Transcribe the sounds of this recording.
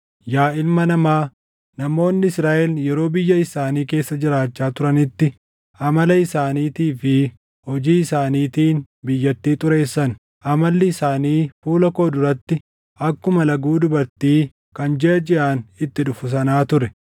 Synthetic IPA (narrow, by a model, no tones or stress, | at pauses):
jaːʔɪlmɐnɐmaː | nɐmo̞ːnːɪɪsɾaːʔɛljɛɾo̞ːbɪjːɐɪsaːniːke̞ːsːɐd͡ʒɪɾaːt͡ʃːaːt̪ʊɾɐnɪt̪ːɪ | ɐmɐlɐɪsaːniːt̪iːfɪ | hɔd͡ʒiːɪsaːniːt̪iːn | bɪjːɐt̪ːiːt̪ʼʊɾe̞ːsːɐn | ʔɐmɐlːɪɪsaːniːfuːlɐko̞ːd̪ʊɾɐt̪ːɪ | ʔɐkːʊmɐlɐɡuːd̪ʊbɐɾt̪iː | kɐnd͡ʒɛʔɐd͡ʒɛʔaːnɪt̪ːɪᶑʊfʊs̬ɐnaːt̪ʊɾɛ